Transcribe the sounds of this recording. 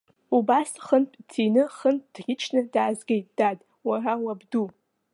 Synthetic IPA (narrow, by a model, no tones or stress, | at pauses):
ubasχənpʼt͡sʰinɨχənpʼd̥ɡʲɪt͡ʃʰnɨdaːzɡʲejtʼd̥adʼ | warawabdu